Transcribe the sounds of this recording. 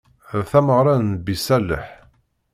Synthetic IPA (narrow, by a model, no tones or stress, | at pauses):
θæməʁɾˤɑnːbisælːə̰ħ